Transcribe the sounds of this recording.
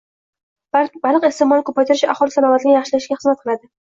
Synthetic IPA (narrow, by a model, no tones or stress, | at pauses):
balɨqest̪emɒlɪkʰopat̪ɪɾɪʃaχɒlˠɪsanɒvat̪ʰɪnɪjɑχʃɪlaʃɡʲaχɨzmat̪̚qʰɨlˠad̪ɪ